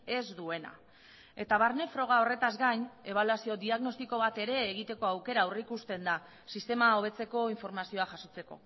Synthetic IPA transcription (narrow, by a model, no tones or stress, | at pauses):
e̞zd̪ue̞na̰ | e̞t̪aβ̞aɾne̞fɾo̞ɣ̞ao̞re̞t̪azɡaɲe̞βaluasio̞d̪iaɣno̞st̪iko̞β̞at̪e̞ɾe̞ːɣ̞it̪e̞ko̞awke̞ɾaurikust̪e̞nd̪a | sist̪e̞mao̞β̞e̞t͡se̞ko̞iɱfo̞ɾmasio̞aʝaso̞t͡se̞ko̞̰